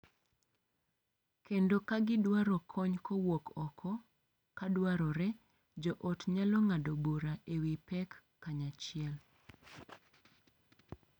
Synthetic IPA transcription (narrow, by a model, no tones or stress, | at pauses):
kendokaɡɪdwaɾɔkʰɔɲkʰɔwokɔkʰɔ | kadwaɾɔɾɛ | d͡ʒɔʔɔtɲalɔŋadoboɾaʔewipɛkː | aɲat͡ʃɪɛl